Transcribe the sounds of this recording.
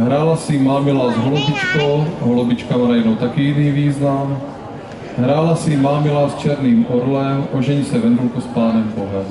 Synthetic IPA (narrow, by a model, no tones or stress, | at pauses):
ɦɾaːlasɪmaːmɪlaːzɦolobɪt͡ʃkowɦolobɪt͡ʃkamaɾajinowt̪akɪjiniːviːznam | ɦɾaːlasɪmaːmɪlaːst͡ʃɛɾniːmʔoɾlɛmʔoʒɛɲsɛvɛnd̪ulkuspaːnɛmboɦɛm